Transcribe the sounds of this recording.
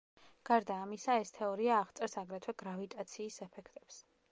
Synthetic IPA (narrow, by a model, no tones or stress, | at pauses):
ɡ̥aɾd̪aːmisaɛst̪ʰɛɔɾiaːʁt̪sʼɛɾsaɡɾɛt̪ʰwɛɡɾavit̪ʼat̪sʰiːsɛpʰɛkʰt̪ʼɛ̥ps